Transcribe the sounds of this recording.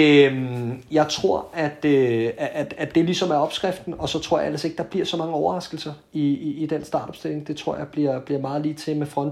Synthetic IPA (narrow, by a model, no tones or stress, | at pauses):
mjɑ̈ɪt͡sʰʁo̝ɐ̰æd̥øææ̥æd̥e̝lisɒ̽mæɐɒ̽b̥sɡ̥ʁɛfd̥n̩ɒ̽sɒ̽t͡sʰʁo̝ɐ̰jɑ̈ḛlɐse̝ɡ̥̚d̥ɑ̈b̥liɐ̰sɒ̽mɑ̈ŋəɒʊɐʁɑ̈sɡ̥l̩sɐ | iiːd̥ensd̥ɑ̈ːd̥ɒ̽b̥sd̥e̝l̰e̝ŋd̥e̝t͡sʰʁo̝ɐ̰jɑ̈ɪb̥liɐ̰b̥liɐ̰mɑ̈ːð̞̩ˠliːt͡sʰe̝mefʁɒ̽n̰